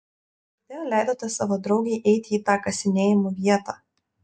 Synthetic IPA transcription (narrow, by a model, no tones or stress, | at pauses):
ɐd̪ʲeːjoːlʲæˑɪd̪oːt̪ʲɛsɑːʋoːd̪ɾɒʊɡʲɛɪʔɛɪt̪ʲɪiːt̪ɑːkɐsʲɪnʲeːjɪmuʋʲiɛt̪ɑː